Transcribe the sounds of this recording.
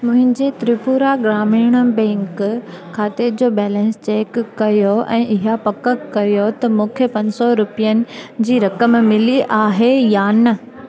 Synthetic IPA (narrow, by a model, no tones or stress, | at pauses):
mʊ̃ɦɪ̃ɲd͡ʑet̪ɾipuːɾaɡɾaːmiːɽ̃əbɛ̃ːŋk | kʰaːt̪eɾd͡ʑoːbɛːlɛ̃ːnst͡ɕeːkːɐjoʔɛ̰̃ːʔɪɦapɐkəkɐjot̪ɐmũːkʰepɐ̃ɲsɔɾʊpijənɪ̆d͡ʑiːɾɐkəmmɪliʔaːɦejaːnɐ